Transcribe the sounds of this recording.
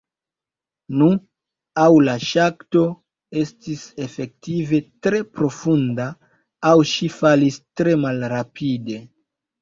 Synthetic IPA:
nu | awlaʃakto̞ | e̞stise̞fe̞k̚tive̞tɾe̞pɾo̞fundaː | wʃifalistɾe̞malɾapʰide̞

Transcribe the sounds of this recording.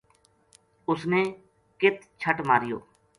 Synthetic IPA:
ʊsneː | kɪt̪̚ | t͡ʃʰəʈmaːɾɪjo̰ː

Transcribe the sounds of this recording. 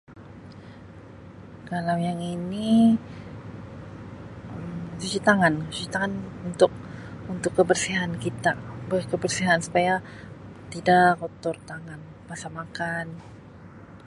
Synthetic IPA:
kalawjaŋini | əmsut͡ʃit̪aŋanst͡ʃit̪aŋanunt̪ʊk̚unt̪ʊkːəbərsiɦankit̪abəkəbərsiɦansu̥paja | t̪idaʔkot̪ɔrt̪aŋan | pasamakan

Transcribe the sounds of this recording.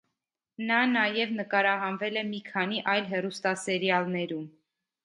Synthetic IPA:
nɑnɑjɛvnəkɑɾɑɦɑnvɛlɛmikʰɑniʔɑjlɦɛrust̪ɑsɛɾjɑlnɛɾum

